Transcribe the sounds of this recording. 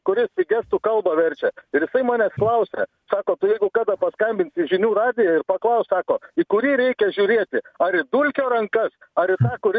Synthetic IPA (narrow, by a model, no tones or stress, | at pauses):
kʊɾʲɪssʲɪɡʲæst̪ukɐlˠbɐʋʲɛɾʲt͡ʃʲɛɪɾjɪsɐɪmɑːnʲɛːsklˠɐʊsʲɛ̰ | sɑːkoːt̪ʊjɛɪɡʊkɑːd̪ɐpɐskɐmʲbʲɪnʲtsʲɪʒʲɪnʲuːɾɑːd̪ʲɪjɛɪrpɐklˠɐʊssɑːkoːikʊɾʲiːɾʲɛɪkʲɛʒʲuːɾʲeːt̪ʲɪɐɾɪd̪ulʲkʲoːɾɐŋkɐsɐɾɪt̪ɑːkʊɾʲ